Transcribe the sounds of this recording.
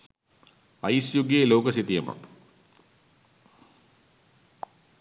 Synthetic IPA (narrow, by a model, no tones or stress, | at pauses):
ɐjsjuɡjeːlowkɐsit̪ijɐmə̰